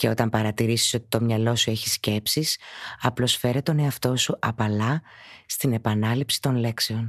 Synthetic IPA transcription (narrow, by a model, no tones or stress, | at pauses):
ce̞o̞t̪ɐmpɐɾɐt̪iɾisi̥so̞t̪i̥t̪o̞mɲɐlo̞sue̞çisce̞psisɐplo̞sfe̞ɾet̪o̞ne̞ɐft̪o̞suʔɐpɐlɐst̪ine̞pɐnɐlipsi̥t̪o̞nle̞kse̞o̞n